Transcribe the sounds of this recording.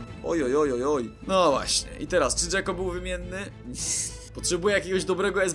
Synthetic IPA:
ɔjɔjɔjɔjɔjnɔvwa̰ɕɲɛ̰ʔḭt̪ɛɾast͡ʂɘʐɛkɔbɘwvɘmʲjɛnːɘ | pɔtʂɛbujɛjakʲeɡɔʑd̪ɔbɾɛɡɔɛz

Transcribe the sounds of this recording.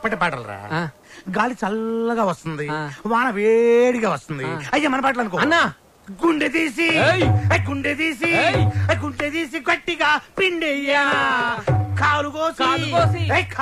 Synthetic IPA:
pːɐʈepaːʈɐ̰lɾa̰ː | ɡaːlit͡ʃɐlːɐɡaːʋɐst̪und̪iʋaːnɐʋeːɽiɡaːʋɐst̪und̪iɐjːaːmɐnɐp̬aːʈ̬ɐlɐnuk̬ɔːnːa | ɡuɳɖet̪iːs̬iɐɡuɳɖet̪iːs̬iɡuɳɖet̪iːs̬iɡɐʈːiɡaːpɾiɳɖɛjːa | kaːluɡoːsiiekʰ

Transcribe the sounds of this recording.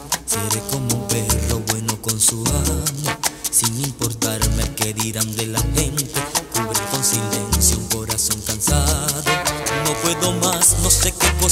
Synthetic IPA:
seɾeko̞moumpero̞βwe̞no̞ko̞nsuamosiŋimpo̞ɾt̪aɾmekeðiɾand̪e̞laxe̞nt̪e̞kuβɾeko̞nsile̞nsjouŋko̞ɾaso̞ŋkansaðo̞no̞pwe̞ðo̞masno̞se̞keko

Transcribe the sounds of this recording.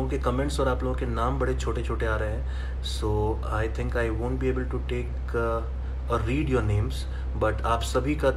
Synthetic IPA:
õkekɐmɛ̃ɳʈsɔːɾaːploːɡõkenãːmbɐɽet͡ʃʰoːʈet͡ʃʰoːʈeaːɾəɦeɛ̃ː | soː | aːɪt̪ʰɪ̃ŋkaːɪʋõːɳʈ̚bieːbəlʈuʈeːk | əːiːɖjɔːɾnẽːmz | bɐʈaːpsɐbʱika

